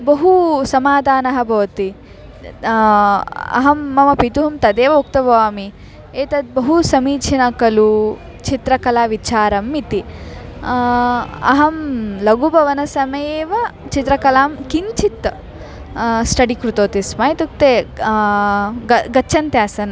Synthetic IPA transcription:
bɐɦusɐmaːd̪ʱaːnɐɦɐ̆bʱɐʋɐt̪i | ɐ̰ɦɐmːɐmɐpit̪uɦumt̪ɐd̪eːʋɐuk̚t̪ɐbʱɐʋaːmi | eːt̪ɐt̪̚bɐɦusɐmiːt͡ʃʰɐnɐkɐlu | t͡ʃit̪ɾɐkɐlaːʋit͡ʃaːɾɐmːit̪i | ɐ̰ɦɐmlɐɡubʱɐʋɐnɐsɐmɐjeːʋɐt͡ʃit̪ɾɐkɐlaːmkiɲt͡ʃit̪ | sʈɐɽikɾut̪oːt̪ismaːjt̪uk̚t̪eː | ɡɐɡɐʃʰɐnt̪jaːsɐn

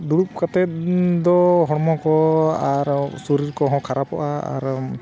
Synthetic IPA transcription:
d̪uɽup̚kat̪ɛt̪̚d̪ɔɦɔɽmɔkɔaɾsuɾiɾkɔɦɔ̃kʰaɾapɔʔaa̰ɾ

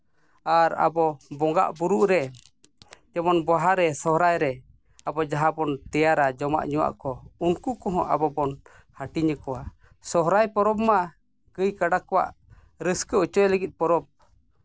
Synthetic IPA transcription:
aɾa̰bɔbɔŋɡa̰ʔbuɾuʔɾɛ | d͡ʒɔmɔnbɔɦaɾɛsɔhɾajɾɛ | abɔd͡ʒaɦabɔnt̪ɛjaɾad͡ʒɔma̰ʔɲuwa̰ʔkɔunkukɔɦɔ̰̃ʔa̰bɔbɔn | haʈiɲəkɔwa | sɔɦɾajpɔɾɔb̚ma | kəjkaɖakɔwa̰ʔ | ɾəskəɔt͡ʃɔjləɡit̪̚pɔɾɔb̚

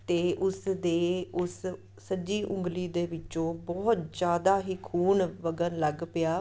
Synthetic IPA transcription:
t̪eːʔʊsd̪eːʊsː | əd͡ʒiːʔʊ̃ŋɡliːd̪eːʋɪt͡ʃõːbɔːt̪d͡ʒjaːd̪aːɦiːkʰuːnʋəɡənləɡpɪjaː

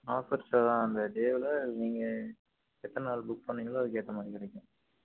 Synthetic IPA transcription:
aːfɪɾsɐt̪ãːɐnd̪ɐɖeːʋɪlɐniːŋɡɐ | ɛt̪ːɐnɛnaːlbʊkːpɐnːɪŋɡɐlɐɐðɯk̬eːʈːɐmaːd̪ɾɪkɪɽɐkːʊ̃ː

